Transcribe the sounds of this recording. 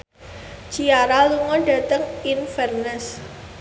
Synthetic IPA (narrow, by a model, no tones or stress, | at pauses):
t͡ʃiaɾaluŋɔɖ̥ä̤t̪əŋinfɛrnɛs